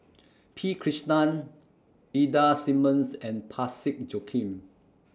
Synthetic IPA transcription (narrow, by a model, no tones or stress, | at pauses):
pʰikʰɹiʃnãn | idasĩmə̃nsɛ̃npʰasik̚d͡ʒokʰĩm